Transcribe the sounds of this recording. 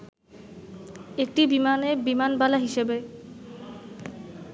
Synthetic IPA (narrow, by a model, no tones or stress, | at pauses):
ek̚ʈibimanebimanbalaɦiʃebe